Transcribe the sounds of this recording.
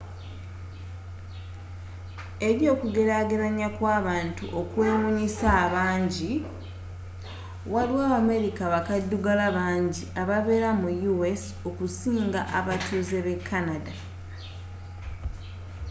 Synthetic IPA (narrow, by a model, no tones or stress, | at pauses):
e̞ɾjo̞ːkuɡe̞ɾaɡeɾaɲakwaːβaːntṵʔo̞kwe̞ːmuɲisaːβaːɲɟi | waliwaːβame̞ɾikaβakadːuɡalaβaːɲɟiaβaβe̞ːɾamujuwes | o̞kusiːŋɡaʔaβatuzeβe̞kʰːanada